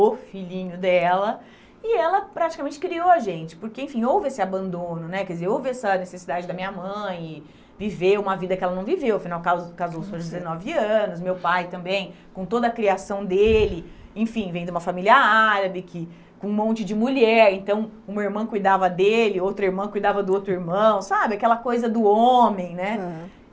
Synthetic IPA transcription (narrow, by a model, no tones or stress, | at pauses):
ofiʎĩɲʊd̪ɛlɐ | ɪɛlɐpɾat͡ʃi̥kamẽnt͡ʃɪ̥kɾioaʒẽnt͡ʃɪ̥poɾkeẽfĩowvɪesɪabɐ̃nd̪õnʊnɛkɛd͡ʒɪzeɾowvɪɛsɐnesesid̪ad͡ʒɪd̪ɐmĩɲɐmɐ̃j̃ɪ | viveũmɐvid̪ɐkɪɛlɐnɐ̃w̃vivewɐfinawkazkazosoɐzd͡ʒɪzenɔvɪɐ̃nʊs̬mewpajt̪ɐ̃mbẽj̃ | kõt̪od̪ɐːkɾiasɐ̃w̃d̪elɪẽfĩvẽj̃d̪ʊũmɐfamiliɐaɾɐbɪkʰɪ | kõũmõnt͡ʃɪd͡ʒɪmulɛɾẽnt̪ɐ̃w̃ũmɐiɾmɐ̃w̃kujd̪avɐd̪elɪowt̪ɾɐiɾmɐ̃kujd̪avɐd̪ʊowt̪ɾʊiɾmɐ̃w̃sabɪakɛlɐkojzɐd̪ʊomẽj̃nɛ